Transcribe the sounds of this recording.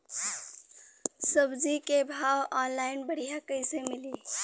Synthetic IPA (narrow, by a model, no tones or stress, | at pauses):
səbd͡ʒikebʱawɔnlainbəɽ̤iɦakəjsemili